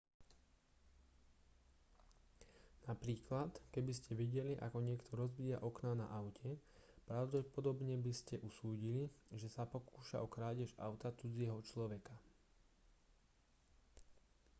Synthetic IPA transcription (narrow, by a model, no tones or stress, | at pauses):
napɾiːklat̪kɛbiscɛʋɛɟɛliʔa̰kɔɲɪɛkt̪ʰɔɾɔzbiːjaʔɔknana̰ʔaʊcʰɛpɾaʊɟɔpɔd̪ɔbɲɛbiscɛʔusuːɟiliʒɛsapɔkuːʃa̰ɔkɾaːɟɛʒa̰ʊt̪at͡sud͡zɪɛɦɔt͡ʃlɔʋɛka